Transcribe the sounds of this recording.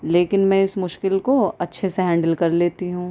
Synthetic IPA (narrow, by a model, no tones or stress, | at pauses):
leːkɪnmɛ̃ːɪsmʊʃkɪlkoɐtːʃʰeseɦɛ̃ːɳɖəlkɐɾleːt̪iɦũː